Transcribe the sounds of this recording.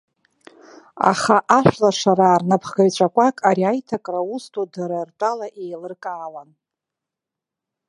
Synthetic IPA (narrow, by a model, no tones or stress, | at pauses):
a̰χaʔaʃʷᶣlaʂaɾaːrnapʰχɡajt͡ɕʷʰʼakʷʼakʼaɾiajtʰakʼraustʰudaɾartʼalaʔejlɨrkʼaːwan